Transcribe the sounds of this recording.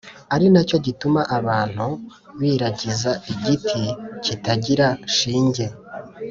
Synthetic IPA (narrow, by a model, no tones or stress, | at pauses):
aɾinaco̞ɟitumaʔaβaːn̥hu | βiːɾaɟizaiɟitʰicitaɟiɾaʃiːɲɟe̞